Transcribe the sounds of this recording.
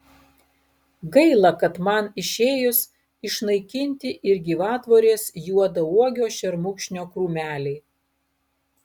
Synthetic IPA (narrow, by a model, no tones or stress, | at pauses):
ɡɐɪlˠɐkɐt̪mɐnɪʃʲeːjʊs | ɪʃnɐɪkʲɪnʲt̪ʲɪʔɪɾɡʲiːʋɑːt̪ʋoːɾʲeːsjuɔd̪ɐuɔɡʲoːʃʲɛɾmʊkʃʲnʲoːkɾuːmʲæːlʲɛɪ